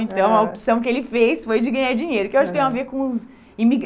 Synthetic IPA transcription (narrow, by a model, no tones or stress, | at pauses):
ẽnt̪ɐ̃w̃ɐopsɐ̃w̃kɪelɪfejsfojd͡ʒɪɡɐ̃ɲaɾd͡ʒĩɲejɾʊkɪewaʃkt̪ẽj̃aveɾkõʊz | imiɡ